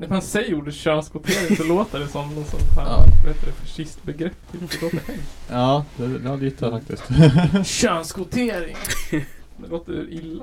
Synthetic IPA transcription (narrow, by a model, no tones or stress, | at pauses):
nɛfansɛjjuːɖəɕœːnskʊt̪ʰeːɾɪŋsɔloːt̪əɖɛsɔmnɔnsɔ̰nt̪ʰa̰aeːt̪ːədɛfaʂɪst̪bɛɡɾɛpːt̪ʰɪd̪ɛloːt̪ɛhɛŋɑːd̪ɛd̪ɛad̪iːt̪ʰːafak̚t̪ɪskt̪ɕœːnskʊt̪ʰeːɾɪŋ | d̪ɛloːt̪əɪlːa